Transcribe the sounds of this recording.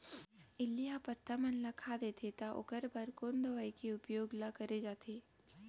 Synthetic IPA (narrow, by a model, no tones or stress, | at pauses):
ɪlːijapɐt̪ʰːamɐnlakʰad̪et̪ʰet̪aʔʊ̰kəɾbɐɾkoːnd̪ɐʋaikiʊpjoːɡlakɐɾed͡ʒaːt̪eː